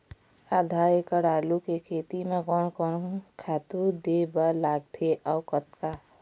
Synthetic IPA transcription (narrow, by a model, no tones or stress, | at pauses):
ad̪ʱakəɽaːlukekʰet̪imeɡɔnkɔnkʰaːt̪ud̪ebalaːɡ̚t̪ʰeʔɔʊkət̪ka